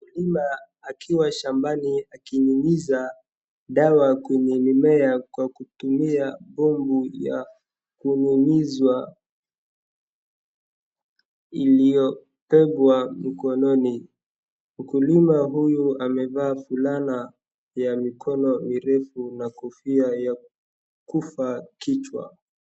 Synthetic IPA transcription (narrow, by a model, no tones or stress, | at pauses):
kulimaː | kʰiwaʃambaniakiɲimiza | ɗawakwɛɲɛlimɛakwakutumiaɓɔmbuja̰ | kuɲimizwa | ilijɔ | pɛbwamikɔnɔni | m̩kulimaɦujuamɛvaːfulana | jamikʰɔnɔmiɾɛfunakufiaja | kufakit͡ʃwa̰